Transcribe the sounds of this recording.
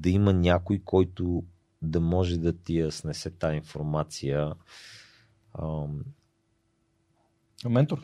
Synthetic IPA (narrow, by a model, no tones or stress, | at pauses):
d̪ɐimənʲakʊjkʰɔjt̪ʊ | d̪ɐmɔʒɛd̪ɐt̪ijəsnɛsɛt̪ainfoɾmat̪sijə | mɛnt̪oɾ